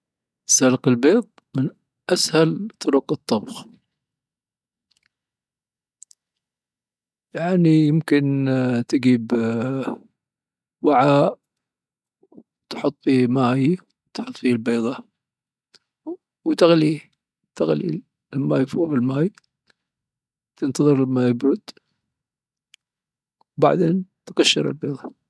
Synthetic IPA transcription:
salqɪlbeːðˤ | mɪn | ʔashalt̪ˤːʊɾʊqɨt̪ˤːɑbx | jaʕnijɪmkɪnt̪ɪɡiːb | waʕa | t̪ħʊt̪ˤːfimaːj | t̪ħʊt̪ˤfilbeːðˤɑ | wt̪aɣli | t̪aɣlḭ | lamːajfuːvɪlmaːj | t̪ɪnt̪ɑðˤɨɾlamːajɪbɾʊd̪ | wba̰ʕd̪eːnt̪ɡaʃːɪ̰ɾɪ̰lbeːðˤɑ

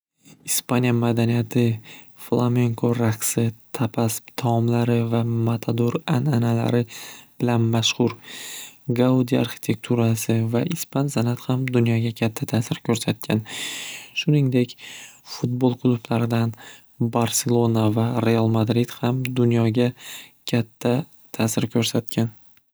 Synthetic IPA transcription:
ɪspanʲijamad̪anijat̪ʰɪ | flˠame̞ŋkʰoɾaqsɪt̪ʰapʰaspt̪ʰɒmlaɾɪvamat̪ʰad̪uɾananala̰ɾɪb̥ɪlanmaʃhʊɾ | ɡaud̪ia̰ɾχɪ̥t̪ʰe̞k̚t̪ʰuɾasɪvaʔɪspansanat̪hamd̪ʊnjɒɡʲakʲʰat̪ʰːat̪ʰaːsɪɾkʲʰɵɾsat̪̚kʲʰan | ʃʊnɪŋd̪e̞kʲfʊt̪̚bolˠqʰʊlˠʊplaɾɪd̪an | baɾse̞lˠo̞navaɾe̞alˠmad̪ɾid̪̥hamd̪ʊnjɒɡʲakʲʰat̪ʰːa | t̪ʰaːsɪɾkʲʰɵɾsat̪̚kʲʰan

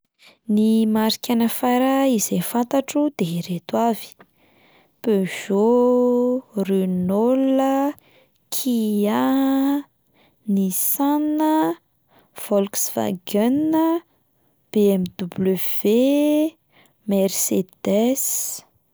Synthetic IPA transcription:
nimaɾikʲanəfaɾəizefant̪aʈ͡ʂud̪eɾet̪wavi̥ | pøʒ̥o | rynolə | kʰia | nisanə | fɔlksva̰ɡanə | b̥eɛmd̪ubləv̥e | mɛrsed̪ɛs

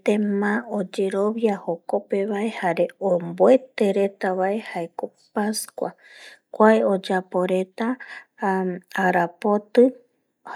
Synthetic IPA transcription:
t̪emãod͡ʒe̞ɾo̞βjahoko̞pe̞βae̞haɾe̞omboe̞t̪e̞ɾe̞t̪aβae̞haeko̞ | paskʷwakʷaeo̞d͡ʒapo̞ɾe̞t̪a | aɾapo̞t̪ɨ

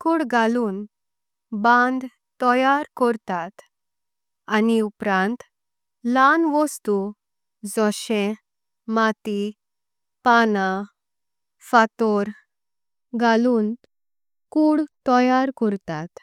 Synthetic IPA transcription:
kuːɽɡʱaluːn | bãnd̪ | t̪ɔjaɾkɔɾt̪at̪ | aniupɾãnt̪ | lanʋɔst̪u | d͡zɔɕẽ | mat̪i | pana | fat̪ɔɾ | ɡʱaluːn | kuːɽt̪ɔjaɾkɔɾt̪at̪

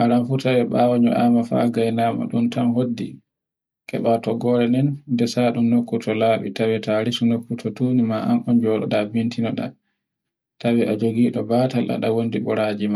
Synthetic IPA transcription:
ʔaɾanfutawɛɓawaɲṵʔamafa̰ɡajnama̰ɗuntamɦodːḭ | kɛ̰ɓatɔɡɔɾɛnɛnndɛsaɗumnokːutʰɔlaɓḭtawɛtaɾisunokːutʰɔtuːnimaʔa̰nʔɔnd͡ʒɔɗɔ̰ɗabintinɔɗa̰ | tawɛʔad͡ʒoɡiːɗɔbaːtalʔa̰ɗawondiɓɔɾaːd͡ʒima

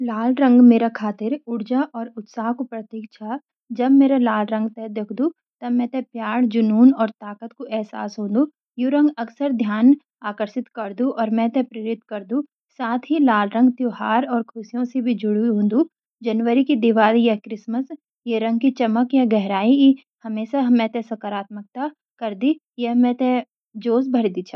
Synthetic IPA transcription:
laːlɾɐ̃ŋɡmeːɾakʰaːt̪ɪɾʊɽd͡ʒaʔɔːɾʊt̪saːɦkopɾɐt̪iːk̚t͡ʃʰaː | d͡ʒɐbmeːɾalaːlɾɐ̃ŋɡt̪ɛd̪ekʰd̪u | t̪ɐmɛ̃t̪epjaːɽd͡ʒʊnuːnɔːɾt̪aːkət̪koʔɛɦsa̰ːsɦõːnd̪u | juɾɐ̃ŋɡɐksəɾd̪ʱjaːn | aːkəɾsɪt̪kɐɾd̪ũʔɔːɾmɛ̃t̪epɾeːɾɪt̪kɐɾd̪ũ | saːt̪ʰɦilaːlɾə̃ŋɡt̪johaːɾɔːɾkʰʊsijõsebʱid͡ʒʊɽuɦõːnd̪u | d͡ʒɐnʋəɾikid̪ɪʋaːlijɐɦkɾɪsməs | jeɾɐ̃ŋɡ̚kit͡ʃɐməkjɐɦɡɛɦɾaːii | hɐmeːʃaɦmɛ̃t̪ɛsɐkəɾaːt̪mək̚t̪a | kɐɾd̪i | jeɦmɛ̃t̪ẽ | d͡ʒoːsbʱɐɾd̪it͡ʃʰa

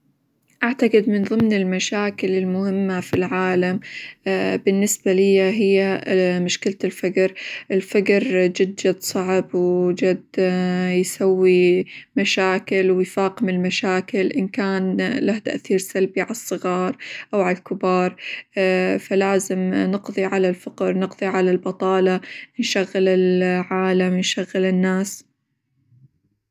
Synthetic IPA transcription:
ʔaʕt̪aqɨd̪mɪnðˤɨmnɪlmaʃaːkɪlɪlmʊhɪmːafilʕaːlam | bɪnːɪsbalɪjːaɦɪjːamʊʃkalt̪ɪlfaɡɾʔɪlfaɡɾd͡ʒɪd̪d͡ʒad̪sˤɑʕbwd͡ʒad̪jsawːimaʃaːkɪlwɪjfaːqɪmɪlmaʃaːkɪlʔɪnkaːnlaht̪a̰ʔθiːɾsalbiʕalɑsˤːɨɣɑːɾˤʔawʕalalkɪbɑːɾˤ | falaːzɪmnɨqðˤiʕalalfaqɾnɨqðˤiʕalalbɑt̪ˤɑːlɑnʃaɣːɪlɪlʕaːlamnʃaɣːɪlɪnːaːs

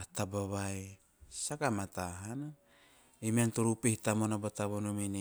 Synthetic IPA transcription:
atabaβae | sakamataɦana | emeantoɾupehitamonabotaβonomini

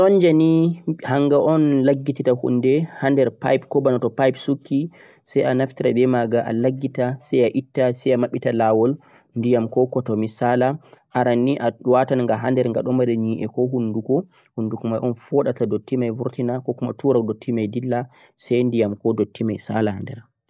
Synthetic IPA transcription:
sɔnd͡ʒanihaŋɡaʔɔnlaɡːititahṵnːdɛhandɛɾpa̰jpkɔbanɔtɔpajpsukʰːi | sajanaftiɾabɛmaɡaʔa̰laɡːitasajaʔitːasɛjamaɓːitalawɔl | ndijamkɔkɔtɔmisalaʔaɾanːiʔawatanaŋɡaɦandɛɾŋɡaɗɔmaɾɛɲiʔɛkɔɦundukɔ | hunːdukɔmajʔɔnfɔɗatadotːimajvuɾtinakɔkuma̰tuɾadotʰːimajdilːa | sajndijamkɔdotʰːimajsalahandɛ̰ɾ

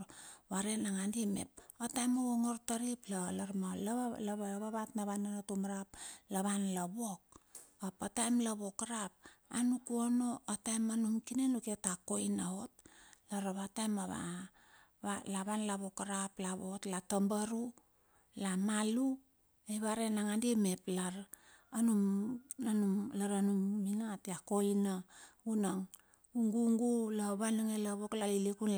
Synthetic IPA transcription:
βaɾenaŋandimḛp̚atajmaβoŋortaɾiplalaɾmalaβaoβaβatnaβananotumaɾap̚laβanlaβok̚ | apatajmlaβo̞kaɾap̚a̰nukuono̞atajmanumkinenuketakojnaot̚laɾaβatajmaβa̰ | βalaβanlaβo̞kaɾaplaβo̰tlatambaɾu | lamalu | ejβaɾenaŋandieme̞plaɾːnumanumlaɾanumːinatiako̞jnaunaŋ | uŋɡuŋɡulaβanaŋelaβoklalilikun

